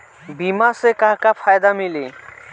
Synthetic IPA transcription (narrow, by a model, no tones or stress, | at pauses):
bimasekaɦkapʰajd̪amili